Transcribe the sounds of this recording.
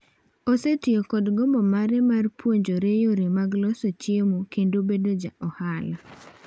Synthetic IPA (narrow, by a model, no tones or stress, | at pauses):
osetjokɔdɡɔmɔmaɾɛmarpwoɲd͡ʒoɾejoɾimaɡlɔsot͡ʃjemukendobedod͡ʒa̰ʔɔhala